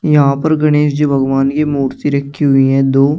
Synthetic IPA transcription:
jɐɦãpəɾɡɐɽ̃eːʃd͡ʒoːbʱɐɡʋaːnkimuːɾt̪iɾɐkʰːiɦʊiɦɛ̃ːd̪oː

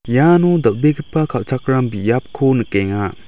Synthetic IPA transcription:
janud̪ɐp̚beɡipːakʰaw̚t͡ʃʰakɾambijap̚kʰonɯkeŋa

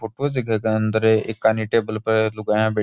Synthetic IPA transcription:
ʊʈod͡ʒɪɡʱəkeə̃nd̪əɾeɪkːaniʈeːbəlpəɾlʊɡaːjãːbeː

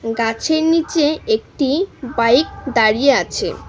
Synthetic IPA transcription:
ɡat͡ɕʰeɾnit͡ɕeek̚ʈibajk̚d̪aɽijeat͡ɕʰḛ

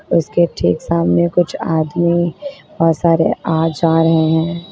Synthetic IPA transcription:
ʊskeʈʰḭːksaːmnekʊt͡ʃʰaːd̪mibɔːt̪saːɾeaːd͡ʒaːɾɐɦeɦɛ̃ː

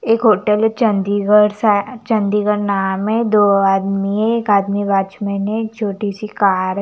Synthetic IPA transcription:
eːkɦoːʈəlt͡ʃənd̪iɡəɾsat͡ʃə̃nd̪iɡəɾnaːmẽd̪oːaːd̪miɦeeːkaːd̪miʋaːt͡ʃmẽnet͡ʃʰoːʈisikaːɾ

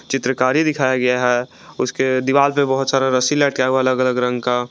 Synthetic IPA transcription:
t͡ʃɪt̪ɾəkaːɾid̪ɪkʰaːjaɡɐjaɦɛ | ʊsked̪ɪʋaːlpebɐɦʊt̪saːɾaɾəsilɛʈkaaɐləɡələɡɾə̃ŋɡka

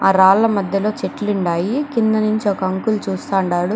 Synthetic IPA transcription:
aːɾaːlːɐmɐd̪ʱjɐlo̞ːt͡ʃeʈliɳɖaːjikind̪ɐnuɲt͡ʃiɔkɐɐŋkult͡ʃuːst̪aːɳɖaːɽu

